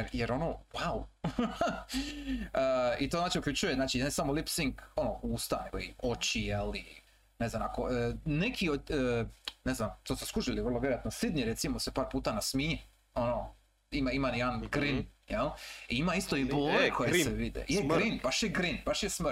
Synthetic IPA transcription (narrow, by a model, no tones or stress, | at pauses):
jeɾjeɾo̞nowaw | əit̪oznaːt͡ʃiukʎʲut͡ʃujeznaːt͡ʃiansamolipsiŋɡonouːst̪ane̞ɡo̞̰ḭot͡ɕijelḭ | neznamakoənekʰioəneznamt̪oːsoskuʒiliʋr̩lˠoʋjeojat̪nosid̪niɾet̪simosepaːɾpuːt̪anasmiːe | ono | imaimanjed̪anɡɾinjeliimaist̪o̞iboːlekʰo̞jseʋid̪ḛeɡɾinbaʃjeɡɾinbaʃjesmr